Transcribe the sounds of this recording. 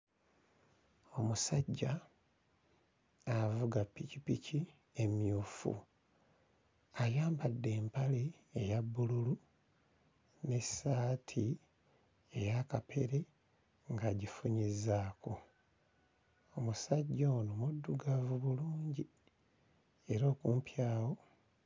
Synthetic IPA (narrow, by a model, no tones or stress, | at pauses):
o̞musaɟːa | vuɡapːicipici | e̞mjuːfṵ | ajaːmbadːe̞ːmpale̞ː | jabːululu | ne̞saːtʰi | e̞jakapʰe̞ɾe̞ | ŋɡaɟifuɲizaːko | omusaɟːanomudːuɡavuβuluːɲɟi | e̞ɾo̞ːkuːmpjaːwo̞